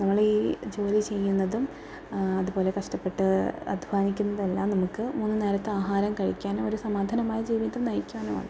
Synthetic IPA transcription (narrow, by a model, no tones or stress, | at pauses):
nɐmːɐɭiːd͡ʑo̞ːlit͡ɕe̞jːunːɐðum | ɐðupo̞ːle̞kɐʂʈɐpːe̞ʈːɨɐ̰d̪ʱbʱaːnikʲːunːɐðelːaːmnɐmukːɨmuːnːɨneːɾɐt̪ːɨaːɦaːɾɐmkɐɻikʲːaːnmoɾusɐmaːd̪ʱɐnɐmaːjɐd͡ʑiːʋiðɐmnɐjkʲːaːɳuma̰ːɳɨ